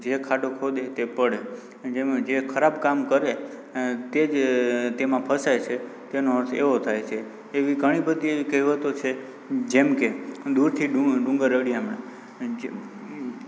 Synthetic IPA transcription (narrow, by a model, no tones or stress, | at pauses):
d͡ʒekʰaɖokʰod̪et̪epəɽe | d͡ʒed͡ʒekʰəɾabkamkəɾe | t̪ed͡ʒt̪emãpʰəsajt͡ʃʰet̪enoḛʋot̪ʰajt͡ʃʰeː | ʋiɡəɽ̃ibəd̪iikəiʋət̪ot͡ʃʰe | d͡ʒemked̪uɾt̪ʰiɖuɖũŋɡəɾəɽiamɳa | d͡ʒ